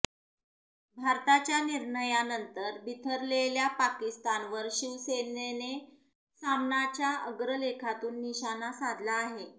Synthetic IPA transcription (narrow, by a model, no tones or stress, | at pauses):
bʱaɾt̪at͡ɕjaniɾɳəjanənt̪əɾbʱit̪ʰəɾleljapakist̪anʋəɾɕiʋsenene | samnat͡ɕjaʔəɡɾəlekʰat̪uːnːiɕanasad̪laːɦe